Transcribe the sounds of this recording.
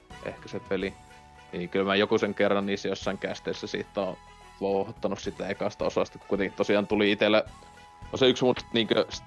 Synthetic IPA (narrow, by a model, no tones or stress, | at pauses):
ʔḛhkæ̥set̪ʋeli | niːkylmæːjokuseŋkerːɑnniːsːæjosːɑiŋkæst̪eisːæsḭːt̪ːoː | ʋoˑuhohɑt̪ːɑnussit̪ːˑæekɑst̪æosɑˑst̪ɑkkuit̪eŋkit̪t̪osiɑːnt̪uliit̪elːæ | koseyksmut̪niːŋkøs